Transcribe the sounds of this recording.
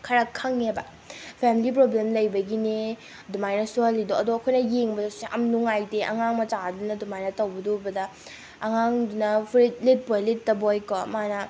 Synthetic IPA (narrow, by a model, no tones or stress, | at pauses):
kʰɐɾakʰːɐŋebɐ | pʰemilip̬ɾoblemlɐjbɐɡine | dumajnɐsuɦɐlːidoɐdoɐkʰojnɐjeŋbɐseʔɐmnuŋajdeʔɐ̰ŋaŋmɐt͡ʃadunɐdumajnɐtɐwbɐdobɐdɐ | ɐŋaŋdunɐpʰɾit̚let̚pojletːɐbojkɔmanɐ